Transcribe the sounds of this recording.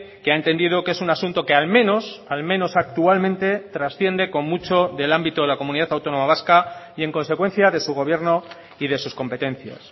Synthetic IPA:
keaent̪e̞nd̪ið̞o̞ke̞sunasunt̪o̞ke̞almẽ̞no̞salmẽ̞no̞sak̚t̪ualmẽnt̪e̞t̪ɾasθje̞nd̪e̞ko̞mːut͡ʃo̞ðe̞lambit̪oðelako̞mũniðat̪awt̪onõ̞maβ̞askaie̞ŋkõ̞nse̞kwe̞n̟θjaðe̞suɣ̞o̞β̞je̞ɾno̞ | iðe̞susko̞mpe̞t̪ẽ̞n̟θja̰s

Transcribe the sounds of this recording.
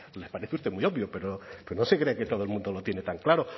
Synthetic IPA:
le̞spaɾe̞θeust̪e̞muio̞βjope̞ɾopeɾonose̞kɾeːket̪o̞ð̞oelmũnd̪o̞lot̪je̞ne̞t̪aŋklaɾo̞

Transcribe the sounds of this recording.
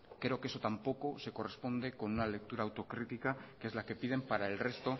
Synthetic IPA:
kɾe̞o̞kee̞so̞t̪ampo̞ko̞se̞ko̞re̞spo̞nd̪e̞ko̞nunale̞k̚t̪uɾaːwt̪o̞kɾit̪ikakee̞zlake̞pið̞e̞mpaɾae̞lre̞st̪o̞

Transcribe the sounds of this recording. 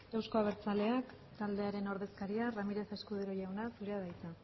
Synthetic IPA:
ewsko̞aβ̞e̞ɾt͡sale̞ak | t̪ald̪e̞aɾe̞no̞ɾðe̞skaɾiaramiɾe̞se̞skuðeɾo̞ʝawnasuɾe̞aðajt͡sa

